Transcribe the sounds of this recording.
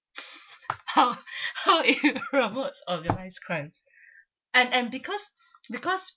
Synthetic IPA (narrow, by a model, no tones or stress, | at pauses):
haʊhaʊɪɹomotsɔɡənaɪskʰɹãns | ɛ̃nɛ̃nbikʰɔs | bikɔs